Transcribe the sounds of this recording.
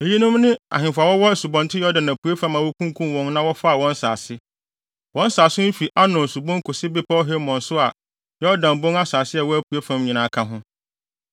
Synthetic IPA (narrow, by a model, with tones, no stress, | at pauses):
e˨ji˦nʊ̃˦mnɪ̃˦a̰˨ɦɪ̃˨fa˨wɔ˦wɔ˦˨su˨bɔ̃˨ntʰɪ˦jɔ˦dã˨nã˨pʰu˨e˦fã˦mã˨wɔ˦kʰũ˦ŋkʰũ˦m˨wɔ̃˦n˦nã˦wɔ˦fa˦a˨wɔ̃˦n˦sa̰ː˨sɪ˦ | wɔ̃˦n˦saː˨sʊ˦n̩˦fi˨ʔa˦nʊ̃˨su˨bɔ̃˦ŋ˦kʰʊ˨sɪ˦bɪ˦pʰa˦ɔ˦ɦe˦mɔ̃˨nsʊ˦a˨ | jɔ˦dã˨m˨bʊ̃˦ŋa˦saː˨sɪ˦ɛ˨wɔ˦æ˦pʰu˨e˦fã˦mɲĩ˨nãː˨˦˨kʰã˦ɦʊ̃˦